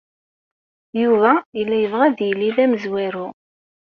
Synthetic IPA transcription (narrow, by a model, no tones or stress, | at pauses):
juvæilːæjəvʁæðjəlːiðæməzwæɾu